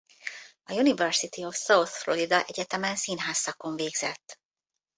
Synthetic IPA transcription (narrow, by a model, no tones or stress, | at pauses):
ɒjunivɛrsit̪iofsɒwθfloɾid̪ɒʔɛɟɛt̪ɛmɛnsinɦaːsːɒko̞ɱveːɡz̥ɛt̪ː